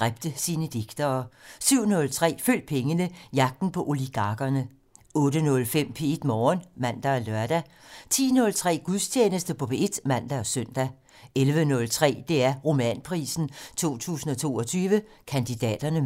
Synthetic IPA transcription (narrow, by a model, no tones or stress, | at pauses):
ʁab̥̚d̥əsiːnəd̥eɡ̥d̥ɐːsyʊ̰nɔ̽lt͡sʰʁɛ̰ːføl̰d̥̚pʰeŋənəjɑ̈ɡ̥̚d̥n̩pʰɒ̽ʔo̝liɡ̥ɑ̈ɡ̥ɐnə | ɔ̽ːdənɔ̽lfem̰pʰe̝̰ed̥mɒːnmæn̰d̥æɒlɶɐd̥æ | t͡sʰḭːnɔ̽lt͡sʰʁɛ̰ːɡ̥uðˠst͡ɕʰjeːnəsd̥əpʰɔ̽beed̥mæn̰d̥æɒsœn̰d̥æ | elʋənɔ̽lt͡sʰʁɛ̰ːd̥e̝æɐʁo̝mɛ̰npʰʁḭːsn̩t͡sʰo̝̰ːt͡sʰṵːsn̩ɒ̽t͡sʰo̝̰ːɒ̽t͡sʰyːʋə | kʰænd̥id̥ɛ̰ːd̥ɐnə